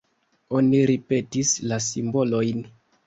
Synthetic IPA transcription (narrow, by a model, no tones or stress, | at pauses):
o̞niɾipe̞tislasimbo̞lo̞jn